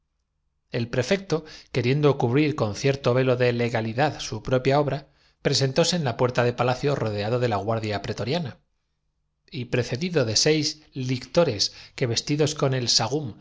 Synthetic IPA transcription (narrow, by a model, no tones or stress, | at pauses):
e̞lpɾe̞fe̞k̚t̪o̞ke̞ɾje̞nd̪okuβɾiɾko̞nθje̞ɾt̪o̞βe̞lo̞ðe̞le̞ɣaliðaðsupɾo̞pjao̞βɾa | pɾe̞se̞nt̪o̞se̞ːnlapwe̞ɾt̪aðe̞palaθjo̞ro̞ðe̞aðo̞ðe̞laɣwaɾðjapɾe̞t̪o̞ɾjana | ipɾe̞θe̞ðiðo̞ðe̞se̞jz | likt̪o̞ɾe̞ske̞βe̞st̪iðo̞sko̞ne̞lsaɣ̞um